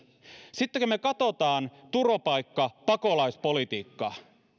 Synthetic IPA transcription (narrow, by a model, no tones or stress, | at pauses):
sit̪ːekømekɑt̪o̞t̪ɑːnt̪uropɑjkːɑpɑko̞lɑispo̞lit̪iːkːɑ